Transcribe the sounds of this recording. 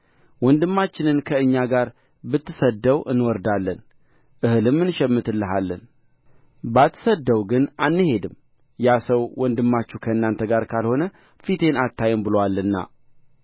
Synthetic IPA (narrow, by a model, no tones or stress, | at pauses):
wɔnd̪ɨmːat͡ʃːɪnɨnkʰəɨɲːaɡaɾ | bɨt̪ːɨsəd̪ːəwʔɨnwɔɾd̪alːən | ʔɨhɨlɨmːɨnʃɛmːɨt̪ʰɨlːɨɦalːən | bat̪ʰːɨ̥səd̪ːəwɡɨnanːɨhe̞d̪ɨmː | jasəwwɔnd̪ɨmːat͡ʃːukʰəɨnːant̪ʰəɡaɾkʰalho̞nə | fit̪ʰe̞nat̪ːajɛmbɨlowalːɨnːa̰